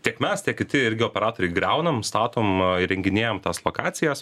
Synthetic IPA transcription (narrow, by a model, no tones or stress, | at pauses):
t̪ʲiɛkmʲɛst̪ʲiɛkʲɪt̪ʲɪɪɾʲɡʲɪoːpʲɛɾɑːt̪oːɾʲɛɪɡɾʲɛʊnɐmst̪ɑːt̪oːmiɾʲɛŋʲɡʲɪnʲeːjoːmt̪ɑːslˠoːkɑːt͡s̪ʲɪjɛs